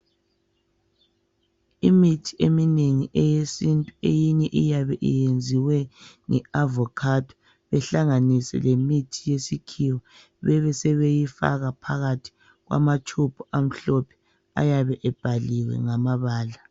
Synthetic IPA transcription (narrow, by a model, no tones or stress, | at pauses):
imitʰi̥emineŋiʔɛjesintʼuḛjiɲɛʔijaβɛʔijend͡zʱiwɛŋɛavɔkʰatʰɔ̥ | βɛɬaŋanisɛ̰lemitʰijesikʰiwɔ | βɛβɛsɛβejifa̰ɣapʰaɣatʰi̥ | ɣwa̰matʰupʰuam̩ɬɔpʰɛ̥ | a̰jaβɛʔɛb̥ʱaliwɛ̰ŋamaβaːla